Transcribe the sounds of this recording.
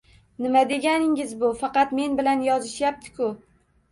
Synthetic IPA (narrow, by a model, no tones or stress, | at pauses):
nɪmad̪e̞ɡʲanɪŋɪzbʊfɑqɑt̪me̞nbɪlanjɒzɪʃjap̚t̪ʰɪ̥kʰʊ